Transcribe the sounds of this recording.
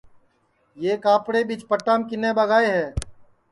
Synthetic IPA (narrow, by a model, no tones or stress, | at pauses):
jeːkaːpɽeːbɪt͡ʃpəʈːaːmkɪneːbəɡaːeɦɛː